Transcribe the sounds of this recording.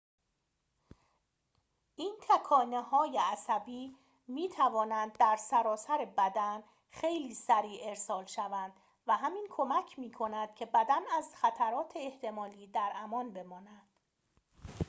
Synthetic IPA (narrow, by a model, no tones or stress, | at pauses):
ʔiːnt̪ʰækʰɒːnehɒːjeæsæbiː | miːt̪ʰævɒːnænd̪ːæɾsæɾɒːsæɾebæd̪æn | xe̞jliːsæɾiːʔe̞ɾsɒːlʃævænd̪ | væɦæmiːnkʰo̞mæcʰmiːkʰo̞næd̪̥̚cʰe̞bæd̪ænæzxæt̪ʰæɾɒːt̪ʰeːht̪ʰe̞mɒːliːd̪æɾʔæmɒːnbe̞mɒːnænd̪̥